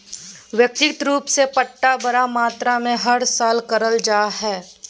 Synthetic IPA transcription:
ʋjək̚t̪ɪt̪ɾuːpsepɐʈːabɐɾamaːt̪ɾamẽɦɐɽsaːlkɐɾəld͡ʒaːɦɛː

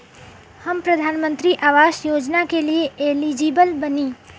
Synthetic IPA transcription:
hɐmpɾɐd̪ʱaːnmə̃nt̪ɾiʔaːʋaːʃjoːd͡ʒnakelieeːliːd͡ʒiːbəlbɐniː

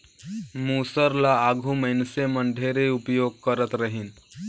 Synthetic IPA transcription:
musəɾlaːɡʱuməjnseməɳɖʱeɾeupjoɡ̚kəɾət̪ɾəɦiːn

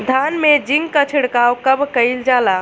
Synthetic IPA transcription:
d̪ʱanmed͡ʒiŋɡkət͡ʃʰiɽkawkəbkəjld͡ʒala

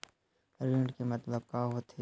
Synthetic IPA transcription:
ɾeːɳɖkemɐt̪ləb̚kaːɦoːt̪ʰe

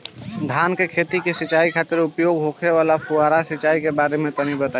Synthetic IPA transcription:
ɖ̪ʱankekʰet̪ikesit͡ʃaikʰat̪iɾupjoɡɦokʰeβalapʰuaɾasit͡ʃaikebaɾemet̪ənibət̪a

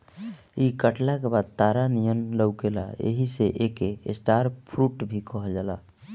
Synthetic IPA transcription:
ikəʈlakebad̪̚t̪aɾanijənləwɡela̰ḛɦiseʔekeḛsʈaɾpʰɾuʈbʱikɔɦld͡ʒala̰

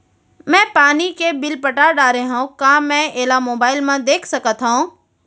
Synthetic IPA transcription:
mɛ̃ːpaːnikebɪlpəʈaɖaːɾeɦãũkãːmɛ̃ːeːlamoːbaːɪlmãd̪eːkʰsɐkət̪ʰɦãũ

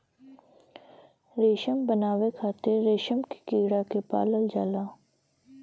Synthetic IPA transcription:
ɾeːʃəmbənaːʋekʰaːt̪ɪɾːeːʃəmki̥kiːɽakepa̰ːləld͡ʒaːlaː

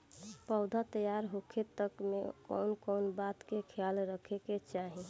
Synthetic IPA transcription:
pəʊd̪ʱat̪əjaɾɦokʰet̪ːəkmḛkɔ̰nkɔnbat̪kekʰjalɾəkʰeket͡ʃaɦi

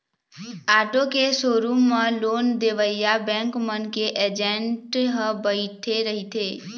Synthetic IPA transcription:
aːʈokesoːɾuməloːnd̪eʋəjabɛ̃ŋkmənkeʔed͡ʒẽɳʈɦəbəɪt̪ʰeɾəɦit̪ʰeː

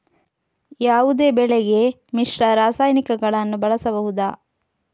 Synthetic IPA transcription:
jaːʋud̪e̞ːbɛɭɛɡe̞ | miʂɾɐɾaːsaːjnikɐɡɐɭɐnːubɐɭɐsɐbɐɦud̪aː

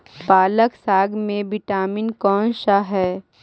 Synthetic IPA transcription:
paːləksaːɡmẽʋɪʈaːmɪnkɔːnʃaɦɛː

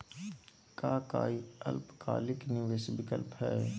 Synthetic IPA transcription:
kaːka̰ːiɐ̰lpka̰ːlɪkniʋesbɪkə̰lpɦɛː

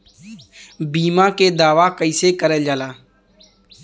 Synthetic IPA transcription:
biːmãːkeːd̪aːʋaːkəiseːkəɾɛːd͡ʒaːlaː

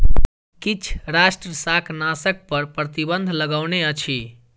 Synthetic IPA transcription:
kit͡ʃʰɾasʈɾəsakʰnasək̚pəɾpɾət̪ibənd̪ʱləɡəwneət͡ʃʰi

